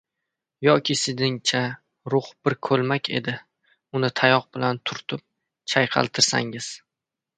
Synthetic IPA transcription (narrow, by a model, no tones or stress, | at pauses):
jɒkʲʰɪsɪd̪ɪŋt͡ʃʰa | ɾʊχb̥ɪɾkʰɵlˠmakʲʰe̞̰d̪ɪ | ʊnɪt̪ʰajɒq̚bɪlant̪ʰʊɾt̪ʰʊp̚ | t͡ʃʰajqʰɑ̰lˠt̪ʰɪɾsa̰ŋɪz̥